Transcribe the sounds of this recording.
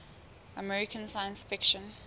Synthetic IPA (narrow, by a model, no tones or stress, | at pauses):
əmɛɹikʰə̃nsajə̃nsfɪkʃə̃n